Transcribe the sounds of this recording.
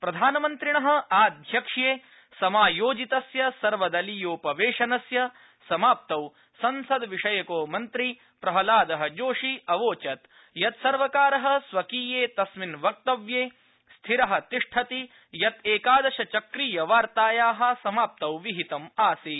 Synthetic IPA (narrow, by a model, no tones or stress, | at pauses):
pɾɐd̪ʱaːnɐmɐnt̪ɾiɳɐɦɐ̆aːd̪ʱjɐkʂjeː | sɐmaːjoːd͡ʒit̪ɐsjɐsɐɾʋɐd̪ɐlijoːpɐʋeːʂɐnɐsjɐ | sɐmaːp̚t̪ɐw | sɐnsɐd̪ʋiʂɐjɐkoːmɐnt̪ɾi | pɾɐɦɐlaːd̪ɐɦɐd͡ʒoːʂiɐʋoːt͡ʃɐt̪ | jɐt̪sɐɾʋɐkaːɾɐɦɐ̆sʋɐkiːjeːt̪ɐsminʋɐk̚t̪ɐʋjeː | st̪ʰiɾɐɦɐ̆t̪iʂʈʰɐt̪i | jɐt̪eːkaːd̪ɐʃɐt͡ʃɐkɾiːjɐʋaːɾt̪aːjaːɦɐ̆sɐmaːp̚t̪ɐwʋiɦit̪ɐmaːsi